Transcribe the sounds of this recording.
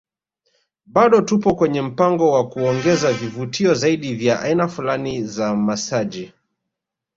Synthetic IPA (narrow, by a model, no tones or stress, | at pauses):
ɓaɗɔtupɔkwɛɲɛm̩paŋɡɔwakuɔŋɡɛzavivutʰiɔzaiɗivjaʔa̰inafulanizamasaʄi